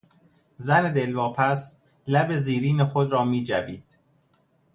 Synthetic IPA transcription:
zæne̞d̪e̞lvɒːpʰæs | læbe̞ziːɾiːnexod̪ɾɒːmiːd͡ʒæbiːd̪̥

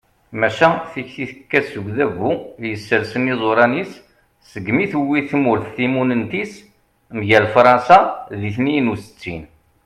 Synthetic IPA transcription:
mæʃæθiçθiθəkːæsəɡʷðævujəsːəɾsənizˤoɾˤɑnis | səɡːmiθuwːiθmʊɾθθimunənt̪is | nʝælfɾˤɑnsaðiθninusə̥t͡sːin

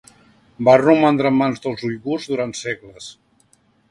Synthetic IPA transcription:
barumand̪ɾəmːanzðəlˠzujɣurzðuɾant̪seɡləs

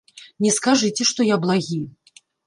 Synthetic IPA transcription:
nʲɛskaʐɨt͡sʲɛʂt̪ɔjablˠaɣʲij

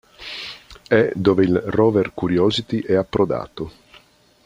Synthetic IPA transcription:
ɛd̪oːveilrɔːverkuɾjɔːzit̪iʔɛapːɾod̪a̰ːt̪o

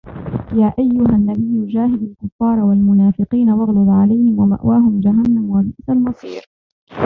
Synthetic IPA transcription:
jaːʔajːʊɦanːabɪjːʊd͡ʒaːhɪd̪alkʊfːɑːɾˤɑwalmʊnaːfɪqiːnawɑɣlʊd̪ˤʕalajhɪmwama̰ʔwaːɦʊmd͡ʒaɦanːamwabɪʔsalmɑsˤiːɾ

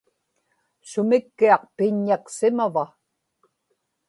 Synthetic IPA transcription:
sʊmɪkːiɑq̚pɪɲːaksɪmava

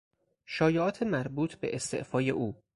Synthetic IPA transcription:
ʃɒːjeʔɒːt̪ʰemæɾbuːt̪ʰbḛʔest̪e̞̰ʔfɒːjeʔuː

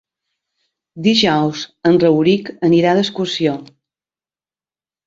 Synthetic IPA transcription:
d̪iʒɔwzənrəwɾikəniɾaðəskusio

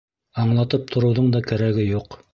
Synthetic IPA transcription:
ɑɴlˠɑt̪ɤp̚t̪ʰŏɾɤ̆wðɤɴd̪ɑkæɾæɡɘjuq

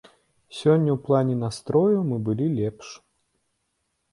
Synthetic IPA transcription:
sʲɔnʲːɐwplˠanʲɛnast̪ɾɔjɐmɨbɨlʲilʲɛpʂ

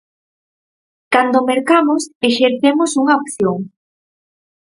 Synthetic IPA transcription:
kand̪omeɾkamoseʃeɾθemosuŋaopθjoŋ

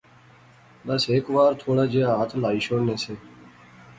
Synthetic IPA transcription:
bəseːkʋaːɾt̪ʰoːɽaːd͡ʒeːaaːt̪ʰlaːiːʃoːnẽːseː

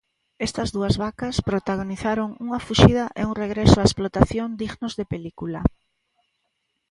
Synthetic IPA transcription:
est̪ɐzðuɐzβakaspɾot̪aɣoniθaɾoŋuŋɐfuʃiðɐʔeuŋreɣɾɛsʊaesplot̪aθjond̪iɣnʊzðepelikulɐ

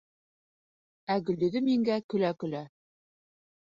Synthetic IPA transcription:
æɡɵ̆ld̪ɵ̆ðɘmiŋɡækɵ̆lækɵ̆læ

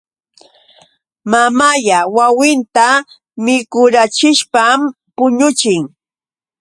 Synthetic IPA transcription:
mamaʎawawɪnt̪a | mɪkʊɾat͡ʃɪʃpam | pʊɲʊt͡ʃɪŋ

